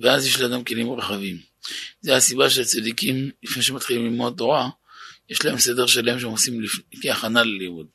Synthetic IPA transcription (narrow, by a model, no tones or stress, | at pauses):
veazje̞ʃlead̪amkelimʁeχavim | zehasibaʃelt͡sad̪ikimlifneʃ̬emat̪χilimlimoat̪o̞ʁa | je̞ʃlahe̞mse̞d̪e̞ʁʃalae̞mʃeemosimlifkeaχanalelimud̪̚